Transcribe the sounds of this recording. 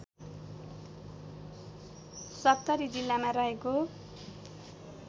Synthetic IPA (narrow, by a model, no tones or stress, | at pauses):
sʌtt̪ːʌɾid͡zilːamaɾʌɦeko